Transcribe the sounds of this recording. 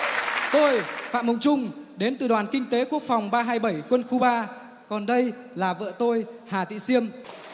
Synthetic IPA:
t̪o˧jfa̰ː˧˨m˨˩wŋ͡mt͡ɕʊ˧ŋ͡mɗe˨˦nt̪ɨ̰˨˩ɗwaː˨˩nkï˧ŋ̟t̪e˨˦ku˦˥ək̚fa˨˩wŋ͡mɓaː˧ɦaː˧jɓə˧˩jkwə˧nxu˧ɓaː˧ | kɔ˨˩nɗə˧j | laː˨˩və̰ː˧˨t̪o˧jhaː˨˩t̪ḭ˧˨si˧əm

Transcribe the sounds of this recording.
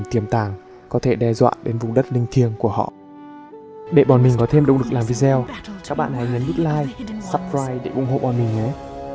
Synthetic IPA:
mt̪i˨˩əmt̪aː˨˩ŋ | kɔ˨˦t̪ʰe˧˩ɗɛ˧zwa̰ː˧˨ɗe˨˦nvʊ˨˩ŋ͡mɗə˦˥t̚lï˧ŋ̟t̪ʰi˧əŋku˧˩əhɔ̰˧˨ | ɗḛ˧˩ɓɔ˨˩nmi˨˩ŋ̟kɔ˨˦t̪ʰe˧mɗə̰˧˨wŋ͡mɗɨ˨˩k̚laː˨˩mvi˧zɛ˧wkaː˦˥k̚ɓa̰ː˧˨nha˨˩jɲə˨˦nɗu˦˥t̚laː˧jsa˦˥p̚ɹaː˧jɗe˧˩ʔʊ̰˧˩˨ŋ͡mho̰˧˨ɓɔ˨˩nmï˨˩ŋ̟ʔə˨˦j

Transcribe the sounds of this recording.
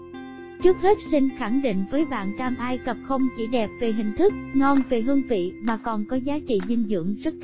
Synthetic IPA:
t͡ɕɨ˦˥ək̚he˦˥t̚sï˧nxa˧˩ŋɗḭ̈˧˨ŋ̟vəː˨˦jɓa̰ː˧˨nt͡ɕaː˧mʔaː˧jkə˨˩p̚xə˧wŋ͡mt͡ɕḭ˧˩ɗɛ˨˩p̚ve˨˩ɦï˨˩ŋ̟t̪ʰɨ˦˥k̚ŋɔ˧nve˨˩ɦɨ˧əŋvḭ˧˨maː˨˩kɔ˨˩nkɔ˨˦zaː˨˦t͡ɕḭ˧˨zï˧ŋzɨ̰˧˥əŋzə˦˥t̚

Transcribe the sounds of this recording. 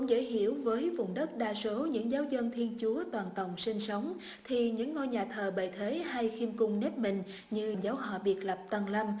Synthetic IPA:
ʊ̰˧˥ŋ͡mzə̰ː˧˩jɦḭ˧˨əwvəː˨˦jvʊ˨˩wŋ͡mɗə˦˥t̚ɗaː˧so˨˦ɲɨ̰˧˥ŋzaː˨˦wzə˧nt̪ʰi˧ənt͡ɕu˨˦ət̪waː˨˩nkə˨˩wŋ͡msï˧ŋ̟sə˨˦wŋ͡m | t̪ʰi˨˩ɲɨ̰˧˥ŋːo˧jɲaː˨˩t̪ʰəː˨˩ɓə˨˩jt̪ʰe˨˦ha˧jxi˧mkʊ˧ŋ͡mnɛ˦˥p̚mï˨˩ŋ̟ | ɲɨ˧ŋzaː˨˦wɦɔ̰˧˨˩ɓi˨˩ət̚lə˨˩p̚t̪ə˧˩nlə˧m

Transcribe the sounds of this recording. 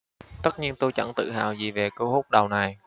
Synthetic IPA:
t̪ə˦˥t̚ɲi˧ənt̪o˧jt͡ɕə̰˧˥ŋt̪ɨ̰˧˨ɦa̰ː˧˨wzḭ˨˩ve˨˩kəː˧whu˦˥k͡p̚ɗə˨˩wna˨˩j

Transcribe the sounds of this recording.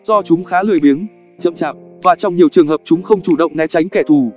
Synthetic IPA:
z̥ɔ˧t͡ɕʊ˨˦ŋ͡mxaː˨˦lɨ˨˩əjɓi˨˦ən | t͡ɕə̰˧˨mt͡ɕaː˨˩k̚ | vaː˨˩t͡ɕɔ˧wŋ͡mɲi˨˩əwt͡ɕɨ˨˩əŋhɦəː˨˩p̚t͡ɕʊ˨˦ŋ͡mxə˧wŋ͡mt͡ɕu˧˩ɗə̰˧˨wŋ͡mnɛ˨˦t͡ɕa˨˦jŋ̟kɛ˧˩t̪ʰu˧˩

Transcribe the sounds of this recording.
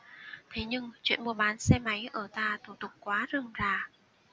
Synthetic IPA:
t̪ʰe˨˦ɲɨ˧ŋt͡ɕwḭ˧˨ənmu˧əɓaː˨˦nsɛ˧ma˨˦jʔəː˧˩t̪aː˧t̪ʰu˧˩t̪ʊ˨˩k͡p̚kwaː˨˦zɨ˨˩əŋzaː˨˩

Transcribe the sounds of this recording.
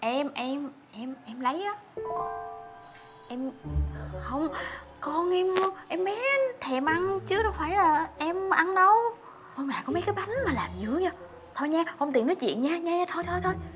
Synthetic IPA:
ʔɛ˧mʔɛ˧m | ʔɛ˧mʔɛ˧mlə˨˦jʔaː˨˦ | ʔɛ˧m | hə˧wŋ͡m | kɔ˧nʔɛ˧mʔɛ˧mːɛ˨˦t̪ʰɛ˨˩mʔa˧nt͡ɕɨ˨˦ənɔ˨˧˦faː˧˩˦jlaː˨˩ʔɛ˧mʔa˧nɗə˧w | kɔ˧nmaː˨˩kɔ˧˦me˨˦kaː˨˦ɓa˨˦ŋ̟maː˨˩laː˨˩mzɨ̰˧˩˥əɲə˧˩ | t̪ʰo˧jɲaː˧hə˧wŋ͡mt̪i˨˩ə˩nɔ˨˦jt͡ɕwḭ˧˨ənɲaː˧ɲaː˧ɲː˧t̪ʰo˧jt̪ʰo˧jt̪ʰo˧j

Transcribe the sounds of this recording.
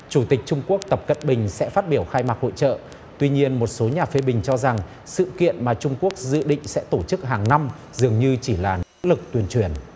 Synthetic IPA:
t͡ɕu˧˩t̪ï˨˩k̟̚t͡ɕʊ˧ŋ͡mku˦˥ək̚t̪ə˨˩p̚kə̰˧˨nɓï˨˩ŋ̟sɛ̰˧˥faː˦˥t̚ɓi˧˩əwxaː˧jmaː˨˩t̚ho̰˧˨t͡ɕə̰ː˧˨ | t̪wi˧ɲi˧ənmo˨˩t̚so˨˦ɲaː˨˩fe˨˦ɓï˨˩ŋ̟t͡ɕɔ˧za˨˩ŋ | sɨ̰˧˨kḭ˧˨ənmaː˨˩t͡ɕʊ˧ŋ͡mku˦˥ək̚zɨ̰˧˨ɗḭ̈˧˨ŋ̟sɛ̰˧˥t̪o˧˩t͡ɕɨ˦˥k̚ɦaː˨˩ŋna˧m | zɨ˨˩əŋɲɨ˧t͡ɕi˧˩laː˨˩noo̰˧˥lɨ˨˩k̚t̪wi˧˩ənt͡ɕwi˧˩ən

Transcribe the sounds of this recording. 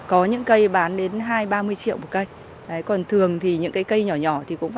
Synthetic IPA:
kɔ˨˦ɲɨ̰˧˥ŋkə˧jɓaː˨˦nɗe˨˦nɦaː˧jɓaː˧mɨ˧əjt͡ɕḭ˧˨əwu˧˩kə˧j | ʔə˨˦jkɔ˨˩nt̪ʰɨ˨˩əŋt̪ʰi˨˩ɲɨ̰˧˥ŋkaː˨˦jkə˧jɲɔ˧˩ɲɔ˧˩t̪ʰi˨˩kʊ̰˧˥ŋ͡m

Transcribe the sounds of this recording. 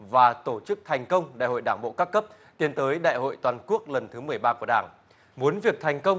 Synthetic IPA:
vaː˨˩t̪o˧˩t͡ɕɨ˦˥k̚t̪ʰɛ˨˩jŋ̟kə˧wŋ͡mɗa̰ː˧˨jho̰˧˨jɗaː˧˩ŋɓo̰˧˨kaː˦˥kːə˦˥p̚ | t̪i˧ənt̪əː˨˦jɗa̰ː˧˨jho̰˧˨jt̪waː˨˩nku˦˥ək̚lə˨˩nt̪ʰɨ˨˦mɨ˨˩əjɓaː˧ku˧˩əɗaː˧˩ŋ | mu˨˦ənvi˨˩ək̚t̪ʰa˨˩jŋ̟kə˧wŋ͡m

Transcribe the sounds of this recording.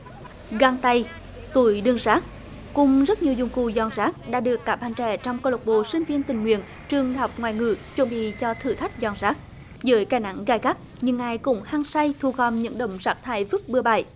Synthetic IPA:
ɣa˧ŋt̪a˧j | t̪u˧˩jɗɨ˧əŋzaː˦˥k̚ | kʊ˧˩ŋ͡mzə˦˥t̚ɲi˨˩əwzʊ˨˧˩ŋ͡mku˧˩zɔ˨˩nzaː˦˥k̚ɗa̰ː˧˥ɗɨ˨˩əkːaː˨˦˥p̚ɓa˨˧˩ŋt͡ɕɛ̰˧˩t͡ɕɔ˧wŋ͡mko˧lə˨˩k͡p̚ɓo̰˧˨sï˧ŋ̟vi˧ənt̪ï˨˩ŋ̟ŋwḭ˧˨ən | t͡ɕɨ˨˩əŋhɔ˨˩wk͡p̚ŋwaː˨˩jŋɨ̰˧˩t͡ɕwə˨˧˦nɓḭ˧˨t͡ɕɔ˧t̪ʰɨ̰˧˩t̪ʰa˦˥jk̟̚zɔ˨˩nzaː˦˥k̚ | zəː˨˦jkaː˧˩jna̰˧˥ŋɣaː˧˩jɣa˦˥k̚ | ɲɨ˧ŋːaː˨˩jkʊ̰˧˥ŋ͡mhaː˧ŋsa˧jt̪ʰu˨˩kɔ˨˩mɲɨ̰˧˥ŋɗə̰˧˨wŋ͡mzaː˦˥k̚t̪ʰa̰ː˧˩jvɨ˦˥k̚ɓɨ˧əɓa̰ː˧˩j

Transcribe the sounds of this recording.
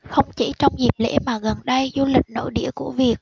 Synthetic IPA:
xə˧wŋ͡mt͡ɕe˧˩˦t͡ɕɔ˧wŋ͡mzi˨˩p̚lḛ˧˥maː˨˩ɣə˨˩nɗə˧jzu˧lï˨˩k̟̚no̰˧˥jɗḭ˧˥əku˧˩əvi˨˩ək̚

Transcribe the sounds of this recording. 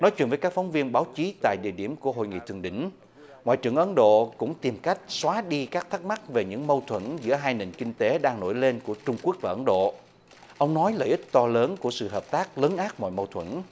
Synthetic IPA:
nɔ˨˦jt͡ɕwḭ˧˨nvəː˨˦kaː˦˥k̚fwŋ͡mvi˧ənɓaː˨˦wt͡ɕi˨˦t̪a̰ː˧˨jɗḭ˧˨əɗi˧˩əmku˧˩əɦo̰˧˨jŋḭ˧˨t̪ʰəŋɗï˧˩˨ŋ̟ | ŋwa̰ː˧˨jt͡ɕɨ˨˩əŋʔə˨˦nɗo̰˧˨kʊ̰˧˥ŋ͡mt̪i˨˩mka˦˥jk̟̚swaː˨˦ɗi˧kaː˦˥k̚t̪ʰa˦˥k̚ma˦˥k̚ve˨˩ɲɨ̰˧˥ŋmə˧wt̪ʰwə˧˩nzɨ̰˧˥əɦaː˧jne˨˩ŋkï˧ŋ̟t̪e˨˦ɗaː˧ŋno̰˧˩jle˧nku˧˩ət͡ɕʊ˧ŋ͡mku˦˥ək̚vaː˨˩ʔə˨˦nɗo̰˧˨ | ʔə˧wŋ͡mnɔ˨˦jlə̰ː˧˩jʔi˦˥k̚t̪ɔ˧ləː˨˦nku˧˩əsɨ̰˧˨ɦəː˨˩p̚t̪aː˦˥k̚ləː˨˦nʔaː˦˥t̚mɔ̰˧˨jmə˧wt̪ʰwə˧˩n

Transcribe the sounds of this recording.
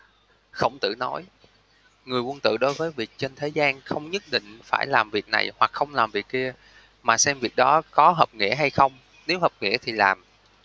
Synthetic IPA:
xə˧wŋ͡mt̪ɨ̰˧˨nɔ˨˦j | ŋɨ˨˩əjwə˧nt̪ɨ̰˧˨ɗo˨˦jvəː˨˦jvi˨˩ək̚t͡ɕe˧nt̪ʰe˨˦zaː˧nxə˧wŋ͡mɲə˦˥t̚ɗḭ˧˨ŋ̟faː˧˩jlaː˨˩mvi˨˩ək̚na̰˨˩jhwa˨˩k̚xə˧wŋ͡mlaː˨˩mvi˨˩ək̚ki˧ə | maː˨˩sɛ˧mvi˨˩ək̚ɗɔ˨˦kɔ˨˦ɦəː˨˩p̚ŋḭ˧˥əɦa˧jxə˧wŋ͡m | ne˨˦wɦəː˨˩p̚ŋḭ˧˥ət̪ʰi˨˩laː˨˩m

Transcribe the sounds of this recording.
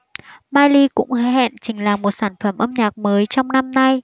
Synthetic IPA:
maː˧jli˧kʊ̰˧˥ŋ͡mhɛ̰˧˨nt͡ɕï˨˩ŋ̟laː˨˩mo˨˩t̚saː˧˩nfə˧˩mʔə˧mɲaː˨˩k̚məː˨˦jt͡ɕɔ˧wŋ͡mna˧mna˧j

